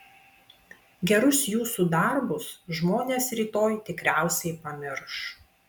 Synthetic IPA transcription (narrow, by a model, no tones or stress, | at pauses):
ɡʲɛɾʊsjuːsuːd̪ɐɾbʊsʒmoːnʲeːsɾʲiːt̪oːjt̪ʲɪkɾʲæˑʊsʲɛɪpɐmʲɪɾʃ